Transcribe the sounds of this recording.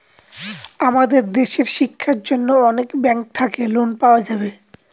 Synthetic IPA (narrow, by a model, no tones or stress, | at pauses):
amad̪eɾd̪eʃeɾʃikʰːaɾd͡ʑonːoɔnekbɛŋk̚t̪ʰakelonpaoad͡ʑabe